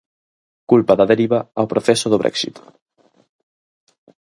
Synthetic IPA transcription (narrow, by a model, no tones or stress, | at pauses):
kulpaðaðeɾiβaawpɾoθesoðoβɾɛ̰ksḭt̪